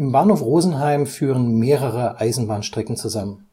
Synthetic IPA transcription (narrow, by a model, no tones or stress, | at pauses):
ʔɪmbaɐnhoːfʁoːzn̩ɦaɪmfyːʁənmeːʁəʁəʔaɪzn̩baːnʃtʁ̥ɛkn̩t͡suzamən